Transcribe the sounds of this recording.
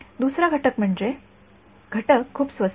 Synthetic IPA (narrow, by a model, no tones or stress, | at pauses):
d̪usɾaɡʱəʈəkm̤əɳd͡ʑe | ɡʱəʈəkʰːuːpsʋəs